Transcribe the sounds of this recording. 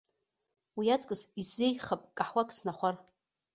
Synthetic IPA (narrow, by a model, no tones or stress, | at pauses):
wiat͡sʼkʼɨzizːejχapʼkʼaħwakʼsnaχʷar